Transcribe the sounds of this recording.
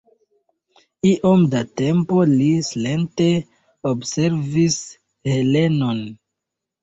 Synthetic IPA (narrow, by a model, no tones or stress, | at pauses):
iʔo̞mdate̞mpo̞lisle̞nte̞ | obse̞ɾvis | he̞le̞no̞n